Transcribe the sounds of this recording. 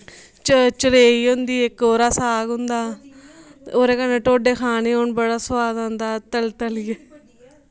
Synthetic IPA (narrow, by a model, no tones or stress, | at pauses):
t͡ʃət͡ʃəɽeːiːɦʊnd̪iːɪkːoːɾaːsaːɡʊnd̪aː | oːɾeːkəneːʈoːɖeːkʰaːneːoːɳbəɽaːswaːd̪aːnd̪aːt̪əlt̪əlɪːeː